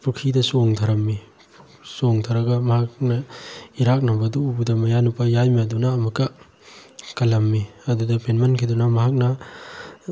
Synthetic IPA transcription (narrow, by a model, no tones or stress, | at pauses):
pʰukʰidɐsoŋtʰɐɾɐmːi | soŋt̪ʰaɾɐɡɐmɐhak̚nɐiɾak̚nɐbɐduubudɐmɐjanupajajmiɐdunɐːmɐkːɐ | kɐlɐmːiɐdudɐpenmɐnkʰidunɐmɐɦak̚nɐ